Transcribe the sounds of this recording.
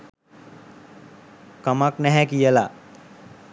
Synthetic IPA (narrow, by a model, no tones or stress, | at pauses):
kamaknɛɦækijəla